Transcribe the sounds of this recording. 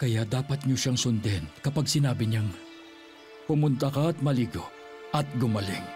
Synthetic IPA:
kɐjad̪aːpɐt̪̚ɲoʃaŋsʊnd̪ɛnkɐpaɡsɪnaːbɪɲaŋ | pʊmʊnt̪ɐkɐɐt̪̚mɐliːɡo | ɐt̪̚ɡʊmɐlɪŋ

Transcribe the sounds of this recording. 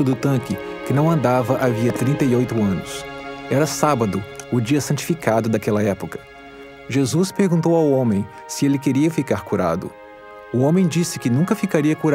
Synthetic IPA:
ʊd̪ʊt̪ɐ̃kɪ | kɪnɐ̃w̃ɐ̃nd̪avɐʔaviɐt̪ɾĩnt̪ɐiojt̪ʊɐ̃nʊsɛɾɐsabɐd̪ʊʊd͡ʒiɐsɐ̃t͡ʃi̥fikad̪ʊd̪akɛlɐɛpʊkɐ̥ | ʒezuspeɾɡũt̪owawõmẽj̃ | sɪelɪkeɾiɐfikaɾkuɾa̰d̪ʊ̰ | ʊõmẽj̃d͡ʒisɪkɪnũŋkɐfikaɾiɐkuɾ

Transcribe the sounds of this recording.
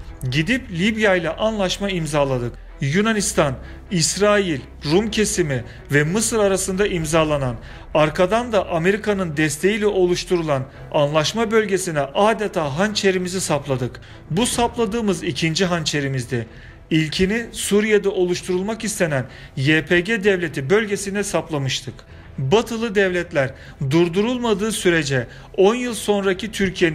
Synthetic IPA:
ɟid̪iplʲibjajlʲˠaʔanlˠaʃmaimzaːlˠad̪ɯk | junanist̪ʰan | isɾaːjilʲ | ɾumcʰe̞simi | vɛmɯsɯɾaɾasɯnd̪aʔimzaːlˠanan | aɾkʰad̪and̪aʔame̞ɾikʰanɯnd̪ɛst̪ʰe̞jilʲɛʔo̞lˠuʃt̪ʰuɾulˠan | anlˠaʃmabø̞lʲɟe̞sinɛʔaːd̪et̪ʰaːɦant͡ʃʰe̞ɾimizisaplˠad̪ɯk | busaplˠad̪ɯːmɯzicʰind͡ʒiɦant͡ʃʰe̞ɾimizd̪ɛ | ilʲcʰinisuɾijed̪ɛʔo̞lˠuʃt̪ʰuɾulˠmakist̪ʰe̞næn | jeːpʰeɟed̪ɛvlʲe̞t̪ʰibø̞lʲɟe̞sinɛsaplˠamɯʃt̪ʰɯk | bat̪ʰɯlˠɯd̪ɛvlʲɛt̪lʲæɾ | d̪uɾd̪uɾulˠmad̪ɯːsyɾe̞d͡ʒɛ | o̞njɯlˠso̞nɾacʰit̪ʰyɾcʰijen

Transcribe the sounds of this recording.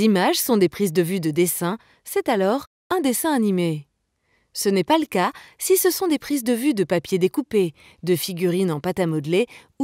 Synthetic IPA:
imaʒsɔ̃d̪epχizd̪əvyd̪əd̪esɛ̃ | sɛt̪alɔʁ | ɛ̃d̪esɛ̃anime | sənɛpaləkasisəsɔ̃d̪epχizd̪əvyd̪əpapjed̪ekupe | d̪əfiɡʲyʁinɑ̃pat̪amɔd̪le | u

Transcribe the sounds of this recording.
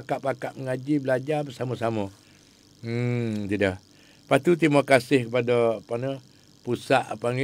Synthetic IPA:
kaʔpakaʔməŋad͡ʒibəlad͡ʒabəsamɔsamɔ | t̪idah | pat̪ut̪̬imakasɪhkəpadɔpanə | pusaʔapaŋ

